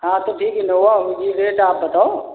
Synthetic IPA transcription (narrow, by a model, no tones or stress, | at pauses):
ɦãt̪oʈʰiːkɛnoʋaɦuid͡ʒiɾeːʈaːp̚bɐt̪ao